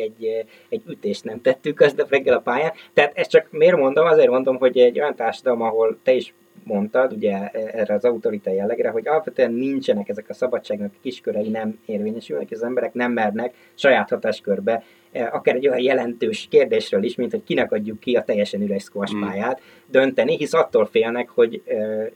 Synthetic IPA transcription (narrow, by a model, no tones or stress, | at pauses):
ɛɟː | ɛɟːyt̪eːʃt̪nɛmt̪ɛt̪ːykːɒzd̪ɒprɛɡːɛlɒpaːjaːt̪ːɛːt̪ɛst̪t͡ʃɒkmeːrmo̞nd̪o̞mɒzeːrmo̞nd̪o̞mɦo̞ɟɛɟːo̞jɒnt̪aːrʃɒd̪ɒlo̞mɒɦo̞lt̪ɛiʃ | mo̞nt̪ɒd̪uɟɛɛrɛɒzɒut̪o̞ɾit̪ɒjɛlːɛɡɾɛɦo̞ɟɒlɒpʋɛt̪øɛnːiɲt͡ʃɛnɛkɛzɛkɒsɒbɒt͡ʃːaːɡnɒkkiʃkøɾɛjinɛmeːrveːɲɛʃylnɛkiʃɒzɛmbɛɾɛknɛmːɛrnɛk | ʃɒjaːt̪hɒt̪aːʃkørbɛ | ʔɒkaːɾɛɟːo̞jɒnjɛlɛnt̪øːʃkeːrd̪eːʃrøːliʃmint̪ho̞c̚kinɛkɒɟːukːiɒt̪ɛjːɛʃɛnylɛʃskoɒʃpaːjaːt̪ | d̪ønt̪ɛniɦisɒt̪ːoːlfeːlnɛkho̞ɟø